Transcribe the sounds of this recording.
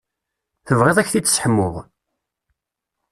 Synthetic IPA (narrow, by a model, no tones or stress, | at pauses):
θəvʁeðˤæçθit͡sːə̥sħəmːʊð